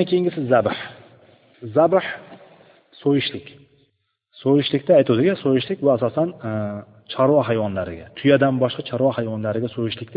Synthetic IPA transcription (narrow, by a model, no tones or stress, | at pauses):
ankʲʰejɪŋɡʲɪsɪzabɪħ | zabħ | sojɪʃlɪkʲ | sojɪʃlɪkʲt̪ɪajt̪ʰud̪ɪɡʲasojɪʃlɪkʲbʊasɒsan | t͡ʃʰaɾwaɦajwɒnlaɾɪ̰ɡʲat̪ʰʊjad̪anbɒʃqɑt͡ʃʰɒɾwahajwɒnlaɾɪɡʲasojɪʃlɪk̚ʲt̪ɪ